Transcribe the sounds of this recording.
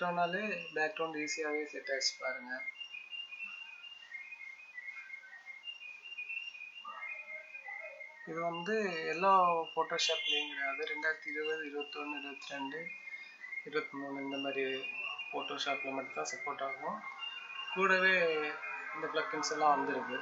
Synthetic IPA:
ʈːoːnaːleːbaːk̚ʈɐʊnɖiːsɪjaːʋeːsɛʈːaːsɯ̥pːaːɾɯŋɡɐ | ɪðɯʋɐnd̪ɯɛlːaːfoːʈːoːʂaːpɪleŋɡɐnɐðɐɾɛɳɖaːjɾt̪ːiɪɾɯʋɐðɪɾɯbɐt̪ːɯɔnːɪɾɯbɐt̪ːɪɾɛɳɖɯ | ɪɾɯbɐt̪ːɯmuːnɯɛnd̪ɐmaːd̪ɾifoːʈːoːʂaːplɐmɐːd̪ɪt̪ːãːsɐpːoːɾʈːaːɣɐʊ̃ | kuːɽɐʋeː | ɪnd̪ɐbɭɐkːɪnsɛlːãːʋɐnd̪ɪɾɯkːɯ

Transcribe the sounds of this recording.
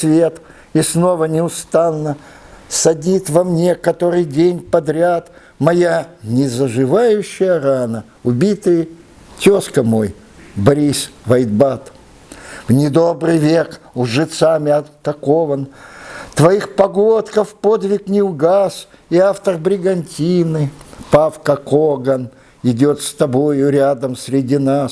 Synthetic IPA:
svʲe̞t̪ | isno̞vənʲɪʊst̪anːə | sɐdʲnit̪vɐmnʲe̞kɐt̪o̞ɾɨjdʲenʲpɐd̪ɾʲat̪ | mɐjanʲɪzəʐɨvajʉɕːɪjəɾanə | ʊbʲit̪ɨj | tʲo̞skəmo̞j | bɐɾʲisvɐjd̪̚bat̪ | vnʲɪd̪o̞brɨjvʲekʊʐɨt̪samʲɪɐt̪ːɐko̞vənt̪vɐjixpɐɡot̪kəfpo̞d̪vʲɪknʲɪʊɡas | iaft̪ərbɾʲɪɡɐnʲtʲinɨpafkəkoɡən | ɪdʲo̞t̪st̪ɐbo̞jʊɾʲad̪əmsʲɾʲɪdʲinas

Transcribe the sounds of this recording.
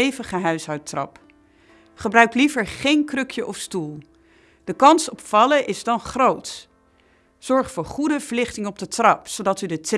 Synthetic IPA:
ejvəχəɦœɥsɦɑwtrɑ̰p | χəbrœɥklivəɹχejnkrɵkʰjəʔɔfstulˠ | d̥əkɑnsɔpfɑləʔɪzdɑnχrowt | z̥ɔɹχfʊːɹχudəv̥əɹlɪχtɪŋəɔb̚dətrɑpsodɑtydət

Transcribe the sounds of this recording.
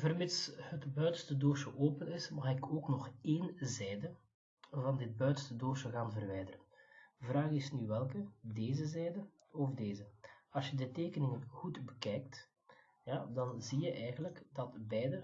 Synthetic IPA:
vərmɪtshətbœɥtəstədoːʃəʔoːpənɪsmɑxɪkʰoːknɔxeːnzɛjdə | vɑndɪt̚bœɥtəstədoːʃəɣaːnvərʋɛjdərənvraːɣɪsnyʋɛlˠkədeːzəzɛjdə | ɔvdeːzəɑlˠsjədəteːkənɪŋənɣutbəkɛːjk̚t | jadɑnzijəʔɛjɣənləkdɑtbɛjdə

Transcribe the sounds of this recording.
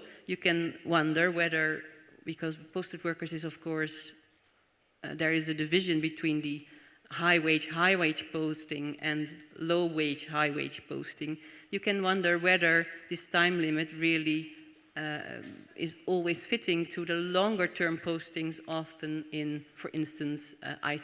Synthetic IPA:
jɨkɨ̃nwʌ̃ndə˞wɛðə˞bɨkʰʌzpʰoʊstɨd̚wɜ˞kə˞zɨzʌv̥kʰɔɹs | ðə˞ɨzɨdɨvɪʒɨ̃nbɨtʰw̥ĩnðɨ | haɪweɪd͡ʒɦaɪweɪd͡ʒpʰoʊstɪ̃ŋɨ̃nloʊweɪd͡ʒɦaɪwḛɪd͡ʒpʰo̰ʊstɪ̃ŋjɨkɨ̃nwʌ̃ndə˞wɛðə˞ðɪstʰãɪ̃mlɪmɨt̚ɹɪlˠi | ɪ̰zɔlˠwiz̥fɪɾɪ̃ŋtʰɨðəlɔ̃ŋɡə˞tʰɜ̃˞mpʰoʊstɪ̃ŋzɑfɨ̃nɪ̃nfə˞ʔɪ̃nstɨ̃nsʔa̰ɪ

